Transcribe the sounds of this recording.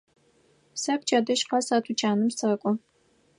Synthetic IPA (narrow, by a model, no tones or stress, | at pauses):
sɐkʷʰʼt͡ʃʰʼadɐʃqɐsɐtʰut͡ʃʰʼaːnɨmsɐkʷʼʊ